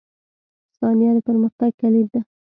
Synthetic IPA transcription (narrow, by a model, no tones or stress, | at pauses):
sɑnijɑnopəɾməxt̪aɡ̚kalib̪̚d̪a